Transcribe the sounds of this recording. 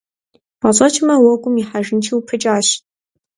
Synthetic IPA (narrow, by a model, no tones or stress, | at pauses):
paɕʼɐt͡ʃʰʼɪmɐwɔɡʷʼʊmiħaʒɪnt͡ʃʰiwpʰɨt͡ʃʼaːɕ